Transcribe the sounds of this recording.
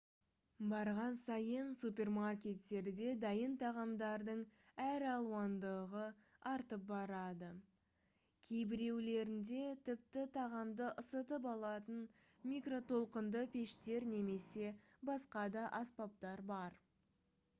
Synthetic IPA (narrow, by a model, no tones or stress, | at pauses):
bɑɾʁɑnsɑjənsupʲe̞rmarkʲe̞t̪ːe̞ɾd̪e̞d̪ɑjənt̪ʰɑʁɑmd̪ɑɾd̪əɴæɾɑlˠuɑnd̪əʁəɑɾt̪əp̚bɑɾɑd̪ə | kʲʰejbɪɾe̞wle̞ɾɪnd̪e̞t̪ʰɪp̚t̪ɪt̪ʰɑʁɑmd̪əʔəsət̪əp̬ɑlˠɑt̪ən | mʲikro̞t̪ʰo̞lˠqənd̪əpʰʲe̞ʃt̪e̞ɾne̞me̞se̞ | bɑsqɑd̪ɑʔɑspɑp̚t̪ɑɾbɑɾ